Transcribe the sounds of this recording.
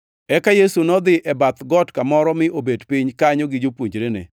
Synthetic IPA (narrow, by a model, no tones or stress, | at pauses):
ɛkajesunɔd̪ɪʔɛbat̪ɡɔtkamɔɾɔmɪʔobedpiɲkaɲɔɡɪd͡ʒopwoɲd͡ʒɾenɪ̰